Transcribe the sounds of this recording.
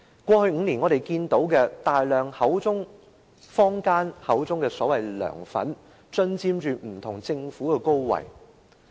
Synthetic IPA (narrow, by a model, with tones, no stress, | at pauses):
kʷɔː˧hɵ˧ŋ̩ː˨˧niː˨˩nŋɔː˨˧ɾe˨˩jkiː˧nt̪o˨˥wkɛː˧t̪aː˨jlœː˨˩ŋhɐ˨˥wt͡sʊ˥ŋ | fɔː˥ŋkaː˥nhɐ˨˥wt͡sʊ˥ŋkɛː˧sɔː˨˥wɐ˨˩jlœ̰ː˨˩ŋfɐ̰˨˥n | t͡ʃɵ˧nt͡siː˧mt͡ʃyː˨˧m̩˨˩t̪ʰʊ˨˩ŋt͡sɪ˧ŋfuː˨˥kɛː˧ko˥wwɐ̰˨˩j